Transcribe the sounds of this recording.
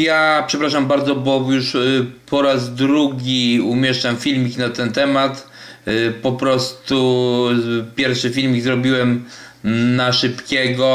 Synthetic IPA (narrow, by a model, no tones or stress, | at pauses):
japʂɛpɾaʂambaɾd̪zɔbɔjuʂpʰɔɾazd̪ɾuɡʲiumʲjɛʂt͡ʂamfʲilmʲiknat̪ɛnt̪ɛmat̪ | pɔpɾɔst̪u | pʲjɛɾfʂɘfʲilmʲiɡzɾɔbʲiwɛm | naʂɘpkʲɛɡɔ